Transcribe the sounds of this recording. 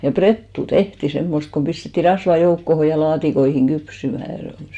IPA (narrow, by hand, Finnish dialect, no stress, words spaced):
jɑ pretːu tehti semːost kom pistetːi rɑsʋɑ joukːoho jɑ lɑːtikoihiŋ ɡ̊ypsymæˑ se ol